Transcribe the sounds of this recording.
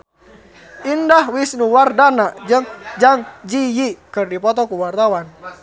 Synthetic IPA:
ʔindahwisnuwardanaʔd͡ʒəŋd͡ʒaŋd͡ʒijikɨrdipɔt̪ɔkuwart̪awan

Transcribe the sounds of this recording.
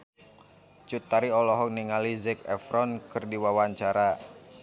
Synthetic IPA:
t͡ʃut̪aɾiɔlɔɦɔk̚niŋalizɛkɛfɾɔnkɨrdiwawaɲt͡ʃaɾa

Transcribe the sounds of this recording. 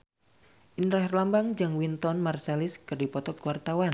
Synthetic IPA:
ʔinɾaɦrlambaŋd͡ʒəŋwint̪ɔnmarseliskɨrdipɔt̪ɔkwart̪awan

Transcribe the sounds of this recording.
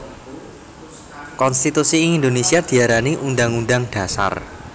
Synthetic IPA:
kɔnst̪it̪usiːŋind̪onesiad̪̥i̤aɾaniʔundaŋunɖaŋɖ̥a̤sa̰r

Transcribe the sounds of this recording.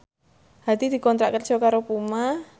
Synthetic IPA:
hat̪id̪i̤kɔnt̪ɾaʔkərt͡ʃɔkaɾopuma

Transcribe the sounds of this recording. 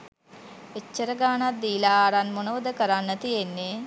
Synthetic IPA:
et͡ʃːəɾəɡaːnat̪̚d̪iːlaːɾanmonəʋəd̪əkəɾanːət̪ijenːe

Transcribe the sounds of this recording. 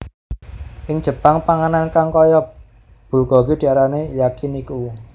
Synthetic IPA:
ʔɪŋ̥d͡ʒ̥ə̤paŋpaŋanankaŋkɔjɔp̚ | b̥ṳlɡ̥ɔ̤ɡid̪̥i̤aɾanejakiniku

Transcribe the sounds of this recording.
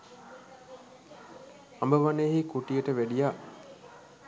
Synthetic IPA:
ambəʋaneːɦikuʈijəʈəʋæɖijaʔ

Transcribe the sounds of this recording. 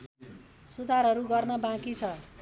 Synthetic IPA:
sud̪ʱaɾɦʌɾuɡʌrnʌbãkit͡sʰʌ

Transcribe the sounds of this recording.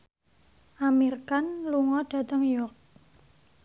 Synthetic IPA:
ʔamirkanluŋɔɖ̥a̤t̪əŋjɔk̚

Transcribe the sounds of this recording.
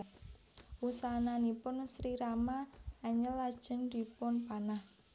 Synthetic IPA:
wusananipʊnsɾiɾamaːɲəlːad̥ʒ̥ə̤nd̪̥i̤pʊnpanah

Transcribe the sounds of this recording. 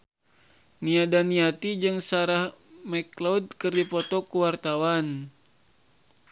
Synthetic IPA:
niadaniat̪id͡ʒɨŋsaɾahmɛklad̚kɨrdipɔt̪ɔkuwart̪awan

